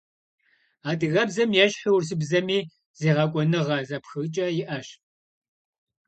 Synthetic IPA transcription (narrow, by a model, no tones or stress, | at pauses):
aːdɨɣɐbzɐmjɛɕħiwrs̬ɨbzɐmiː | z̥eːʁɐkʷʼɔnɨʁɐzɐpxɨt͡ʃʼɐjɪʔɐɕ